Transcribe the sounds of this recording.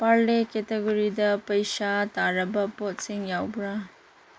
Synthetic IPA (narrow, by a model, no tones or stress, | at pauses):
paɾleketeɡuɾidɐpɐjsataɾɐbɐpot̚siŋjawbɾa